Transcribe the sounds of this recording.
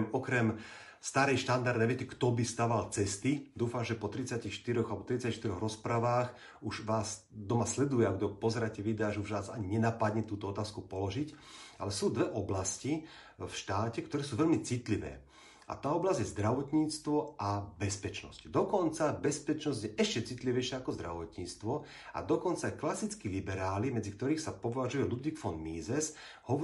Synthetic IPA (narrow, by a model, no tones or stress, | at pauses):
mɔkɾɛm | st̪aɾɛjʃt̪and̪aɾd̪ɛʋɪɛcɛkt̪ɔbist̪aʋalt͡sɛst̪id̪uːfamʒɛpɔt̪ɾit͡saciːxʃt̪iɾɔɣalɛbɔt̪ɾit͡saciʃt̪iɾɔɣɾɔspɾaʋaːx | uʒʋaːs | d̪ɔmaslɛd̪ujɛaɡd̪ɔpɔzɛɾacɛʋid̪aːʒɛuʒʋaːzaɲiɲɛnapad̪ɲɛt̪uːt̪ɔɔt̪aːskupɔlɔʒica̰lɛsuːd̪ʋɛʔɔblasci | fʃt̪aːcɛkt̪ɔɾɛːsuːʋɛlmit͡sit̪liʋɛ̰ː | a̰t̪aːɔblazɟjɛzd̪ɾaʋɔt̪ɲiːt͡st̪ʋɔʔabɛspɛt͡ʃnɔ̰scd̪ɔkɔnt͡sabɛspɛt͡ʃnɔzɟjɛʔɛʃcɛt͡sit̪liʋɛjʃɪaakɔzd̪ɾa̰ʋɔt̪ɲiːt͡st̪ʋɔ | a̰d̪ɔkɔnt͡sajɛklasit͡skilibɛɾaːlimɛd͡zik̚t̪ɔɾiːxsapɔʋaʒujɛlud̪ʋikfɔnmiːzɛs | hɔɔ